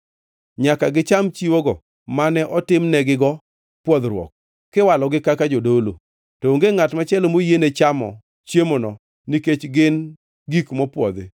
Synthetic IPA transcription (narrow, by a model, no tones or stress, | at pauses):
ɲakaɡɪt͡ʃamt͡ʃiwoɡɔ | manɛʔɔtɪmnɛɡɪɡɔ | pwɔd̪ɾwɔ̰k̚ː | kːɪwalɔɡɪkakad͡ʒodolo̰ | tɔoŋɡeŋatmat͡ʃɛlomojenet͡ʃamɔ̰ | t͡ʃjemonɔ | niket͡ʃɡɪn | ɡikmɔpwɔ̰d̪ḛ